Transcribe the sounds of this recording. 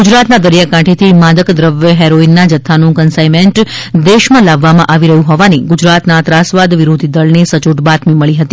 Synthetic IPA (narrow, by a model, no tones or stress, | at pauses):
ɡud͡ʒɾat̪nad̪əɾjakãʈʰet̪ʰimad̪əkd̪ɾəʋjəɦɛɾoinːad͡ʒət̪ʰːanũkənsajmeɳʈd̪eʃmãlaʋːamãʔaʋiɾəɦũɦɔʋaniɡʊd͡ʒɾat̪nat̪ɾasʋad̪ʋiɾod̪ʱid̪əɭnesət͡ʃuʈbat̪miməɭiɦət̪i